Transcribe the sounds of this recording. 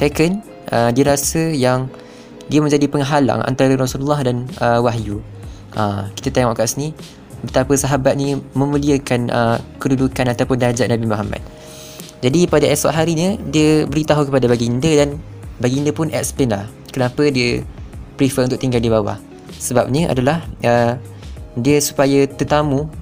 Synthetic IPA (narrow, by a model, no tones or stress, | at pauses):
sekən | ʔədiəɾasəjaŋ | diəmə̃ɲd͡ʒadipəŋɦala̰ŋʔa̰nt̪aɾəɾɔsululːahdanəwaɦju | ʔəki̥t̪ət̪eŋɔʔkaʔsni | bət̪apəsaɦabat̪̚nĩmə̃mũliəkanʔəkədudukanat̪awpʊndad͡ʒaʔnabimuɦama̰t̪̚ | d͡ʒadipadaʔɛsɔ̰ʔɦaɾiɲədiəbəɾit̪aɦukəpadabaɡindədan | baɡindəpʊnʔɛ̰ʔ̚spɛnlah | kənapədiəpɾifəunt̪ʊk̚ʔt̪iŋɡaldibawa̰h | səbap̚ɲəʔa̰dalahə | diəsu̥pajət̪ərt̪amũ